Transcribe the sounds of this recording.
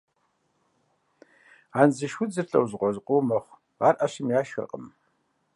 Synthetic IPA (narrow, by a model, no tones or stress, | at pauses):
aːnzɨʃʷʊd͡zɨrɬʼɐ̰wʑqʷɔzqʷʼʊmɐχʷ | a̰ːrʔɐɕɪmjaːʃxɨ̰rqʼəm